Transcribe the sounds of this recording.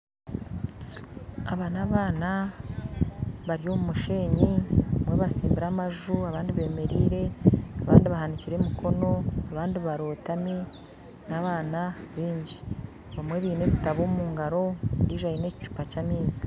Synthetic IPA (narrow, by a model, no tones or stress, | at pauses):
aβaːnaβaːna | βaɾijo̞ːmumuʃe̞ːɲiβamwe̞βasiːmbiɾamaʒuaβaːndiβe̞ːme̞ɾiːɾe̞aβaːndiβahaniciɾe̞mikʰo̞no̞aβaːndiβaɾo̞ːtami | naβaːnaβiːɲɟi̥ | βamweβiːne̞βitaβoːmuːŋɡaɾo̞ɾiʒajineci̥t͡ʃu̥pacaːmeːziḁ